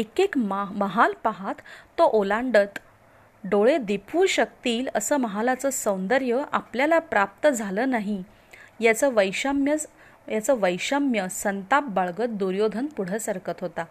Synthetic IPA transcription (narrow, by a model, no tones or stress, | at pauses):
ekekmməɦalpaɦat̪ːoʔolãɳɖət̪ | ɖoɭed̪epʰuːɕək̚t̪iːləsəːməɦalat͡səsə̃wnd̪əɾjəʔapljalapɾap̚t̪əd͡zʱaləːnaɦi | jat͡səʋəjɕəmjə | jat͡səʋəjɕəmjəsənt̪ap̚baɭɡət̪̚d̪uɾjod̪ʱənpuɽ̤əsaɾkət̪ɦot̪a